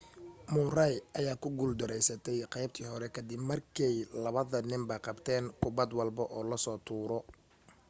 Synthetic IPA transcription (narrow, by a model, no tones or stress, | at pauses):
mʊrajɐjaːkʰʊɡuld̪ɔɾɛjsɐt̪ʰɛjqɑjb̚t̪ʰiːɦɔɾɛkʰɐd̪ɪbmɐrkʰɛjlɐβɐðɐnɪmbɐqɑbt̪ʰɛːŋkʰʊbɐd̪wɑlbɔʔɔːlɐsɔːt̪ʰuːɾɔ